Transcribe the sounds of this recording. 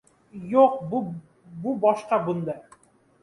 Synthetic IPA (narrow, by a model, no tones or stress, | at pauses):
juq̚bu | bubɒʃqɑbund̪ɑ